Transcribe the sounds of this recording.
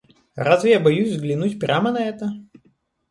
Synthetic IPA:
razvʲɪjabɐjusʲzɡlʲɪnutʲpɾʲʔamənɐɛt̪ə

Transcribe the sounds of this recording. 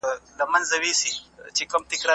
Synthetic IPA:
lɐmɐnzɐwesit͡ʃekɐmt̪ɪkɾa

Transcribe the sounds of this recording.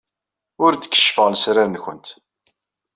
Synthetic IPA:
ʊɾd̪əkːə̥ʃfəʁnəsɾaɾənçə̰nt̪

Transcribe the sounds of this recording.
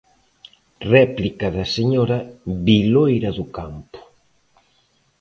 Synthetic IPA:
rɛplikaðaseɲɔɾabilojɾaðukampʊ̥

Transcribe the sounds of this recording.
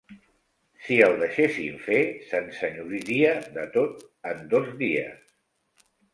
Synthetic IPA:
siəlˠd̪əʃesḭɱfesənsəɲuɾiɾiəðət̪ot̪ənd̪ozðiə̰s

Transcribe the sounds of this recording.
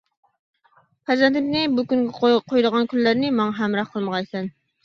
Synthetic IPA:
pʰæzɛnt̪ɪpnɪbukʲyŋɡʲɛqʰojd̪əʁɑnkʲʰylːæɾnɪmɑŋɑɦæmɾɑχqʰəlˠməʁɑjsɛn

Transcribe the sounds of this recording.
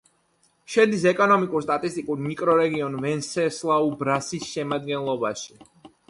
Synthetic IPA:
ʃɛnd̪isɛkʼɔnɔmikʼuɾst̪ʼat̪ʼist̪ʼikʼuɾmikʼɾɔɾɛɡiɔnvɛnsɛslˠaubɾasisʃɛmad̪ɡɛnlˠɔba̰ʃi̥

